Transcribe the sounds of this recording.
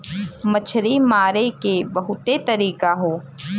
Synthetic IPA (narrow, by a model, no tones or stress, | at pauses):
mɐt͡ʃʰɾimaːɾekebɐɦʊt̪et̪ɐɾiːkaɦoː